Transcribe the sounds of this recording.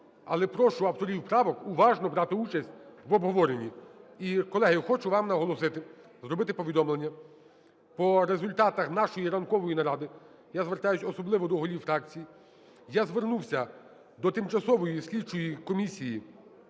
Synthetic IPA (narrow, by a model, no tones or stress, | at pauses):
ɐ̰lˠɛpɾɔʃʊɐwt̪ɔɾʲiwpɾɑʋɔkʊʋɑʒnɔbɾɑt̪ɪut͡ʃɐsʲt̚ʲʋɔbɦɔʋɔɾenʲiikɔlˠɛɦɪxɔt͡ʃʊʋɑmnɐɦɔlˠɔsɪt̪ɪ | zɾɔbɪt̪ɪpɔʋʲid̪ɔmlˠenʲːɐ | pɔɾezʊlʲt̪ɑt̪ɐxnɑʃɔjiɾɐnkɔʋɔjinɐɾɑd̪ɪ | jazʋert̪ɑjʊsʲɔsɔblˠɪʋɔd̪ɔɦɔlʲiwfɾɑk̚t͡sʲiji | jazʋernuwsʲɐ | d̪ɔt̪ɪmt͡ʃɐsɔʋɔjisʲlʲit͡ʃɔjikɔmʲisʲiji